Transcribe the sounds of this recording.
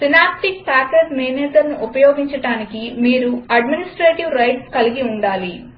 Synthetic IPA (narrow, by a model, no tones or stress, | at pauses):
sinaːp̚ʈik̚paːkeɾmejnɛːt̪ɐlnuʔupɐjɔːɡiɲt͡ʃɐɽaːnikimiːɾuɐɖminisʈɾeːʈiʋɾɐjʈskɐliɡiuɳɖaːli